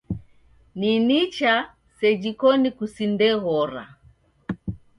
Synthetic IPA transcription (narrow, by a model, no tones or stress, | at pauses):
ninit͡ʃa | sɛd͡ʒikɔnikusindɛɣɔɾa̰